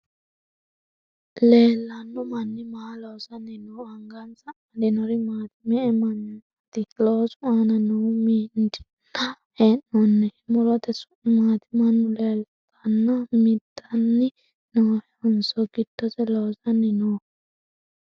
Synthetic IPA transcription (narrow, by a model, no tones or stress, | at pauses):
leːlːɐnːɔmɐnːɪmalɔwsɐnːɪnoɐŋɡɐnsɐɐd̪ɪnɔɾɪmaːt̪ɪmɛɛmɐn | t̪ːɪloːsʊaːnɐnɔmind͡ʒɪ̥nɐ | eːnːɔnːɛmɔɾɔt̪ɛsʊ̥maːt̪ʰɪmɐnːʊleːlt̪ʰɐnːɐmɪd̪ːɐnːɪ | noːhɛɔnsɔɡɪd̪ːɔtɛlɔwzɐnːɪnoː